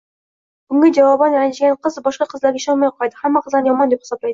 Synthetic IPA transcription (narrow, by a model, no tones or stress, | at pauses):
ɡ̥ʊŋɡʲed͡ʒɑwɑbɑnnʃɡʲeɴqʰəzbɒʃqɑqʰəzlˠɑɾɡʲeʃɑnmɑjqʰɒjd̪əhæmːæqʰəzˠɑnjɒmɑnd̪epχɑsɑplˠɑjd̪ə